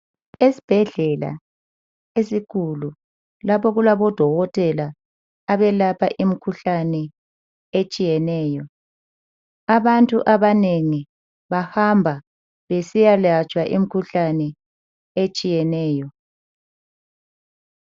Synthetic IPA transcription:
esi̥b̥ʱɛɮɛla̰ | esikʰulu | lapʰɔɣulaβɔd̥ʱɔɣɔtʼɛlaː | βɛlapʰa̰ʔimikʰuɬanɛ | et͡ʃʼijɛnɛːjɔ | aβantʼṵʔaβaneŋi | βahambʱa | βesijalat͡ʃʼwaʔḭmikʰuɬanɛ | et͡ʃʼijɛnɛːjɔ

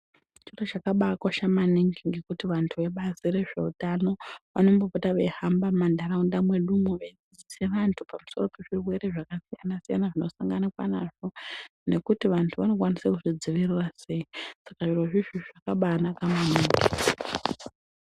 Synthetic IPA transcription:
t͡ʃiro̞t͡ʃakaɓaːkwaʃamaniŋɡiŋɡe̞kutiʋantʰuʋe̞ɓasire̞ʐe̞̰utano̞ʋa̰no̞mbopotaʋe̞hambamandaɾaundamwe̞ɗumuʋaid͡zid͡ziseʋantʰupamuso̞ro̞pe̞ʐirwe̞ɾe̞ʐakasijanasijanaʐino̞saŋɡanakwa̰naʐo̞ne̞kutiʋantʰuʋano̞kwanisakutid͡ziʋirrase̞isakaʐiro̞ʐiʒiʐakaɓaːnakamaniːŋɡi

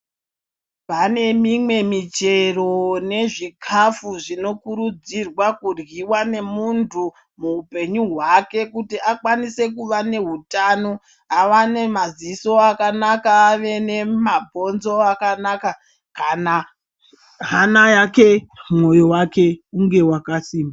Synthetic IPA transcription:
pane̞mimwe̞mit͡ʃe̞ro̞ne̞ʐikʰafuʐino̞kuɾud͡zirwakurɣiwane̞muntʰu | muupe̞ɲuɦwake̞kutiakwanise̞kuʋane̞ɦutano̞ | awane̞maziso̞akanakaːʋe̞ne̞mabʱo̞nzo̞akanaka | kana | ɦanajakemwojo̞wake̞uŋɡe̞wakasiːmba

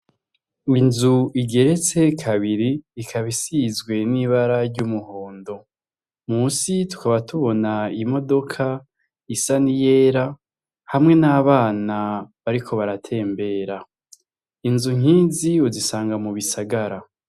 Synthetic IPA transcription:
inzuiɡe̞ɾe̞t͡se̞kʰaβiɾiːkʰaβisizɡwe̞niβaɾaɾɟumuho̞ːndo̞ | musitu̥kaβatuβo̞naimo̞do̞kʰa | isanije̞ːɾa | hamŋe̞naβaːnaβaɾikʰo̞βaɾatʰe̞ːmbe̞ːɾa | inzuŋ̥iːziuzisaːŋɡamuβisaɡaɾa

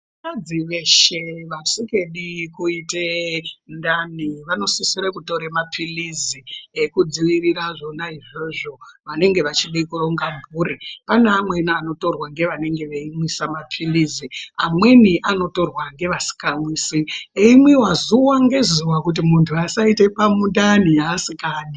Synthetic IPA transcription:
ʋakad͡ziʋe̞ʃe̞ʋasike̞ɗikuitendaniʋano̞sisiɾekuto̞ɾemapʰiliziekud͡ziʋiriɾaʐo̞naiʐoʐo̞ʋane̞ŋɡe̞ʋat͡ʃiɗikuro̞ŋɡaɱbuːripaneːmwe̞niano̞to̞rwaŋɡe̞ʋane̞ŋɡe̞ʋeimwisamapʰiliziamwe̞niʔano̞to̞rwaŋɡe̞ʋasi̥kamwisieimwiwazuwaŋɡe̞zuwakut̬imuntʰuasaite̞pamundanijaːsikaːni

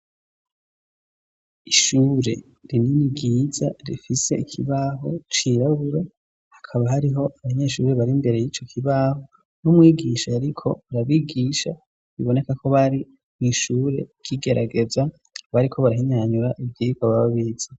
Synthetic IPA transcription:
iʃuːɾe̞̰ | ɾininiɡiːzaɾḭfise̞ikʰiβaːɦo̞̰t͡ʃiɾaβuɾo | hḁkʰaβaɦaɾiɦo̞ʔaβaɲe̞ːʃuːɾe̞βaɾimbe̞ɾe̞jiːt͡ʃo̞kʰiβaho | numŋiːɡiʃaaɾikʰo̞uɾaβiɡiːʃa | βiβo̞ne̞kakʰo̞βaɾi | niʃuːɾe̞̰ɡ̥iɡe̞ɾa̰ɡe̞za | βaɾikʰo̞βaɾaɦiɲaɲuɾaʔivɟiikaβaβaβiːz̥a

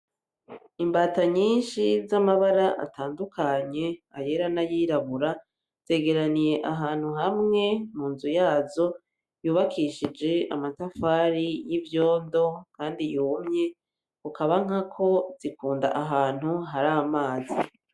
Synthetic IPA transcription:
imbaːtaɲiːnʃizamaβaɾaʔa̰tʰaːndukʰaɲe̞aje̞ɾanajiːɾaβuɾa | z̥e̞ːɡe̞ɾanije̞ʔaɦaːn̥huɦamŋe̞muːnzujaːzo̞ | juːβakʰiʃid͡ʒe̞a̰matafaːɾijivjo̞ːndo̞kaːndijuːmɲe̞ | kukaβaŋ̥akʰo̞z̥ikuːndaʔaɦaːn̥huɦaɾamaːzi

